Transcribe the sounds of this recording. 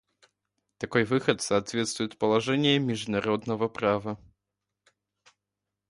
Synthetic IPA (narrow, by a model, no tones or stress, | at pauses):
t̪akɔjvɨxɐt̪sat̪vʲɛt̪st̪vujɛt̪pɐlˠaʐɛnʲɛmʲiʐnaɾɔd̪nɐvɐpɾavɐ